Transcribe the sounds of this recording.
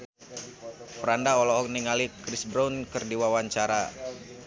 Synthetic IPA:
pəɾandaɔlɔɔkniŋalikɾisbɾaunkɨrdiwawaɲt͡ʃaɾa̰

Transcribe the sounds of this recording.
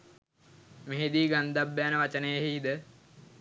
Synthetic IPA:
meɦed̪iːɡand̪abːæːnəʋat͡ʃənəjəɦiːd̪ə

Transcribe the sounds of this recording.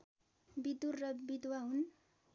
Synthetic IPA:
bid̪urːʌbid̪waɦun

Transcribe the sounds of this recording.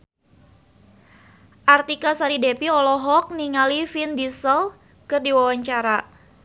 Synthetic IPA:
ʔart̪ikasaɾidepiɔlɔɦɔk̚niŋalifindisəl | kɨrdiwawaɲt͡ʃaɾa

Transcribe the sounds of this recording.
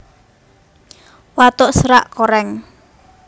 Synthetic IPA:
wat̪oʔsəɾa̰ʔkoɾɛŋ

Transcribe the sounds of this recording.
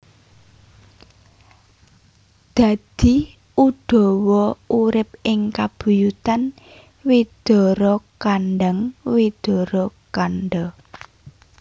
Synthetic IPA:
d̪̥a̤d̪̥i̤ | ud̪̥ɔ̤wɔʔuɾɪp̚ɪŋkab̥ṳjut̪an | wid̪̥ɔ̤ɾɔkanɖəŋwid̪̥ɔ̤ɾɔkanɖɔ

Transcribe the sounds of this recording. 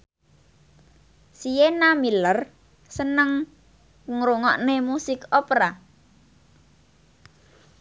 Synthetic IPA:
sijenamilər | sənəŋ | kŋɾuŋɔʔnemusɪkɔpɾa

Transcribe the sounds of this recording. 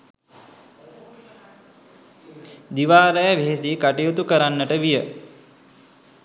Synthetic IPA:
d̪iʋaːɾəjəʋeɦesikaʈejut̪ukəɾanːəʈəʋijə

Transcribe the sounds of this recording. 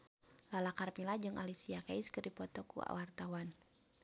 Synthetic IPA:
lalakarmilad͡ʒɨŋʔalisiakaiskɨrdipɔt̪ɔkṵa̰wart̪awan

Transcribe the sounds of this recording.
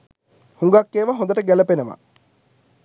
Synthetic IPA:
huŋɡakːeːʋaɦond̪əʈəɡæləpenəʋa̰

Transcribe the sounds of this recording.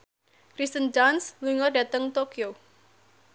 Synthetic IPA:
kɾist̪ənd͡ʒansluŋərdat̪əŋt̪okio

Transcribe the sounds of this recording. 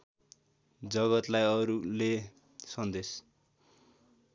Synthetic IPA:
d͡zʌɣʌt̪lajʌɾule | sʌnd̪es

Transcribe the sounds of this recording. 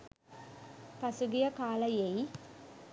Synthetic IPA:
pɐsuɡijəkaːləjei

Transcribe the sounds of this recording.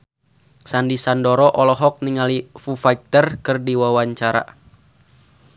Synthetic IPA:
sandisandɔɾɔʔɔlɔɦɔk̚niŋalifufak̚t̪ərkɨrdiwawaɲt͡ʃaɾa̰

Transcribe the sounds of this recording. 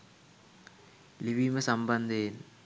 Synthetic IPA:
liʋimɐsɐmbɐnd̪ʱɐjin

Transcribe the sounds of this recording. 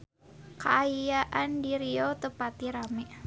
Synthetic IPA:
kaajjaʔandiɾiot̪əpat̪iɾamɛʔ

